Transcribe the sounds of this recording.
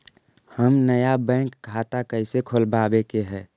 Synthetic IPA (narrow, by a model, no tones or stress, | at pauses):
həmnəjabɛ̃ːŋkːʰaːt̪akəɪsekʰolbaːbekeɦɛː